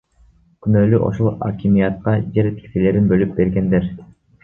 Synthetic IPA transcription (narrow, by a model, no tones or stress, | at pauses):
kynølyʔo̞̰ʃolˠa̰kʲimijɑt̪̚qɑd͡ʒeɾt̪i̥ksele̞ɾinbølyp̚be̞ɾɡe̞nd̪eɾ